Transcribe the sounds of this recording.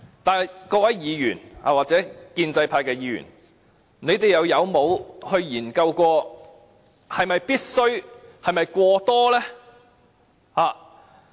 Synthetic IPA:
t̪aː˨kɔː˧wɐ˨˥jjiː˨˧jyː˨˩nha̰ː˨waː˨k̚t͡sɛː˨˥kiː˧nt͡sɐ˧jpʰaː˧jkɛː˧jiː˨˧jy̰ː˨˩n | ne˨˧jt̪e˨jɐ˨˧wjɐ˨˧wmo˨˧whɵ˧ɥjiː˨˩nkɐ˧wkʷɔː˧ | hɐ˨jmɐ˨jpiː˥t̚sɵ˥ɥhɐ˨jmɐ˨jkʷɔː˧t̪ɔː˥lɛː˥ | haː˨

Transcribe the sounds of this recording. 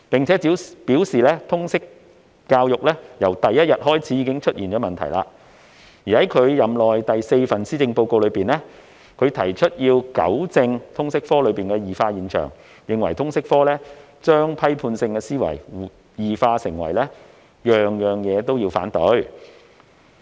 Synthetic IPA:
pɪ˨ŋt͡sʰɛː˨˥˨piː˨˥wsiː˨lɛː˥t̪ʰʊ˥ŋsɪ˥kː | aː˧wjʊ˨k̚lɛː˥jɐ˨˩wt̪ɐ˨jːɐ˥t̚jɐ˨t̚hɔː˥jt͡sʰiː˨˥jiː˨˧kɪ˥ŋt͡ʃʰɵ˥t̚ʔiː˨˩nt͡ʃɔː˨˥mɐ˨nt̪ʰɐ˨˩jla̰ː˧ | jiː˨hɐ˨˥jkʰɵ˨˧ɥjɐ˨mlɔː˨jt̪ɐ˨jse˧jfɐ˨nsiː˥t͡sɪ˧ŋpo˧wko˧wlɵ˨˧ɥpiː˨nlɛ˥ | kʰɵ˨˧ɥt̪ʰɐ˨˩jt͡ʃʰɵ˥t̚jiː˧wkɐ̰˨˥wt͡sɪ˧ŋt̪ʰʊ˥ŋsɪ˥k̚fɔː˥lɵ˨˧ɥpiː˨nkɛː˧jiː˨˩faː˧jiː˨˧nt͡ʃʰœ̰ː˨˩ŋ | jɪ˨˧ŋwɐ˨˩jt̪ʰʊ˥ŋsɪ˥k̚fɔː˥lɛː˥ | t͡ʃœː˥ŋpʰɐ˥jpʰuː˧nsɪ˧ŋkɛ˧siː˥wɐ̰˨˩j | jiː˨˩faː˧sɪ̰˨˩ŋwɐ̰˨˩jlɛː˥ | jœː˨ŋjœː˨˩ŋjɛː˨˧t̪o˥wjiː˧wfa̰ː˨˥nt̪ɵ̰˨˥ɥ

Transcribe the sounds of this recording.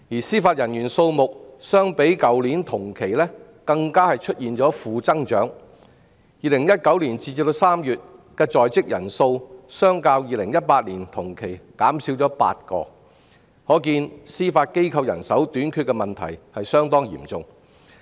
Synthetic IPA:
jiː˨˩siː˥faː˧t̚jɐ˨˩njyː˨˩nso˧wmʊ˨k̚sœː˥ŋpe˨˥jkɐ˨˥wliː˨˥nt̪ʰʊ˨˩ŋkʰe˨˩jlɛː˥ | kɐ˧ŋkaː˥hɐ˨jt͡ʃʰɵ˥t̚jiː˨nt͡ʃɔː˨˥fuː˨˧t͡sɐ˥ŋt͡ʃœ̰ː˨˥ŋ | jiː˨˧lɪ˨˩ŋjɐ˥t̚kɐ˨˥wliː˨˩nt͡siː˧i˧pt̪o˧wsaː˥mjyː˨t̚kɛː˧t͡sɔː˨jt͡sɪ˥k̚jɐ̰˨˩nso˧wsœː˥ŋkaː˧wjiː˨˧lɪ˨˩ŋjɐ˥t̚paː˧t̚liː˨˩nt̪ʰʊ˨˩ŋkʰe˨˩jkaː˨˥msiː˨˥wt͡ʃɔː˨˥pa̰ː˧t̚kɔ̰ː˧ | hɔː˨˥kiː˧nsiː˥faː˧t̚ke˥jkʰɐ˧wjɐ̰˨˩nsɐ˨˥wt̪yː˨˥nkʰy˧kːɛ˧mɐ˨nt̪ʰɐ̰˨˩jhɐ˨jsœː˥ŋt̪ɔː˥ŋjḭː˨˩mt͡sʊ˨ŋ

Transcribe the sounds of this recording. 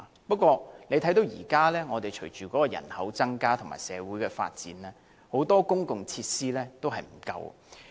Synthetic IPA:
pɐ˥t̚kʷɔː˧le˨˧jt̪ʰɐ˨˥jt̪o˨˧wjiː˨˩kaː˥lɛː˥ŋɔː˨˧t̪e˨jt͡ʃʰɵ˨˩ɥt͡ʃyː˨kɔː˨˥kɔː˧jɐ̰˨˩nhɐ̰˨˥wt͡sɐ˥ŋkaː˥t̪ʰʊ˨ŋma̰ː˨jsɛ̰ː˨˧wuː˨˥jkɛː˧fa̰ː˧t̚t͡sḭː˨˥nlɛː˥ | ho˨˥wt̪ɔː˥kʊ˥ŋkʊ˨ŋt͡sʰiː˧t̚siː˥lɛː˥t̪o˥wɦɐ˨jm̩˨˩kɐ̰˧w̰

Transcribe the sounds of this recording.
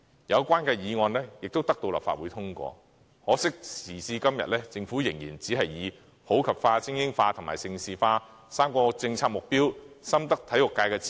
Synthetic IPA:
jɐ˨˧wkʷaː˥nkɛː˧jiː˨˧ŋɔː˧nlɛː˥jɪ˨k̚t̪o˥wt̪ɐ˥k̚t̪o˧wlɐ̰˨pfa̰ː˨t̚wuː˨˧jt̪ʰʊ˥ŋkʷɔ̰ː˧ | hɔː˨˧˥sɪ˥k̚sʰiː˨˩siː˧kɐ˥mjɐ̰˨t̚lɛː˥t͡sɪ˧ŋfuː˨˥jɪ˨˩ŋjiː˨˩nt͡si˨˥ɦɐ˨jːiː˨˧ | ho˨˥wkʰɐ˨˩p̚faː˧t͡sʰɪ˥ŋjɪ˥ŋfaː˧t̪ʰʊ˨˩ŋma̰ː˨˩jsɪ˧ŋsiː˨faː˧ | saː˥mkɔː˧t͡sɪ˧ŋt͡sʰaː˧k̚mʊ˨k̚piː˥wsɐ˥mt̪ɐ˥k̚t̪ʰɐ˨˥jlʊ˨kːaː˧jkɛː˧t͡s

